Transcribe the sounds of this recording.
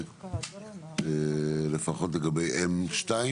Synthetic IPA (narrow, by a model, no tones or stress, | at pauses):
elefaχotleɡabejʔemʃtai